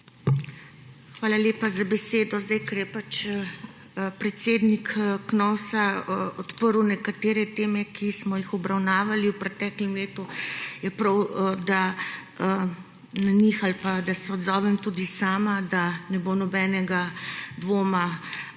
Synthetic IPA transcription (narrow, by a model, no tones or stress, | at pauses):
xʋaːlaleːpazabɛseːd̪ɔzd̪ajkɐɾjɛpat͡ʃ | pɾɛt̪seːd̪nikknɔwsaɔt̪pəɾwnɛkat̪eːɾɛt̪eːmɛkʰismɔjixɔbɾawnaːʋaliwpɾɛt̪ɛːklɛmleːt̪ujɛpɾawd̪a | nanixalpad̪asɛɔd̪zɔːʋɛmt̪uːd̪isaːmad̪anɛbonɔbɛnɛɡad̪ʋoːma